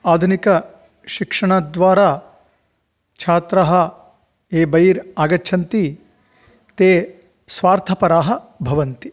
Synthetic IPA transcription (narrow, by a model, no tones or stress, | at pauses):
aːd̪ʱunikɐ | ʃikʂɐɳaːd̪ʋaːɾaː | t͡ʃʰaːt̪ɾɐɦɐ | eːbɐjiɾaːɡɐtːʃʰɐnt̪i | t̪eː | sʋaːɾt̪ʰɐpɐɾaːɦɐbʱɐʋɐnt̪i